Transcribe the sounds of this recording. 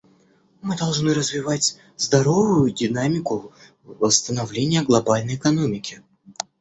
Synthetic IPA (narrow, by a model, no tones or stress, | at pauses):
mɨd̪ɐlˠʐnɨɾəzvʲɪvatʲ | zd̪ɐɾo̞vʊjʊdʲɪnamʲɪkʊ | vəst̪ənɐvlʲenʲɪjəɡlˠɐbalʲnəjɪkɐnomʲɪkʲɪ